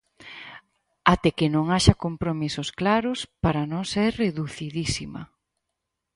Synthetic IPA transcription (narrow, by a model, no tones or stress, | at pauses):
at̪ɛkɪnõŋaʃɐkompɾomisosklaɾʊspaɾɐnõŋsereðuθiðisimɐ̰